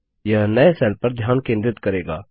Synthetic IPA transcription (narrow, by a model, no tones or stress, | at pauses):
jɐɦnɐesɛːlpɐɾd̪ʱjaːnkẽːnd̪ɾɪt̪kɐɾeːɡa̰ː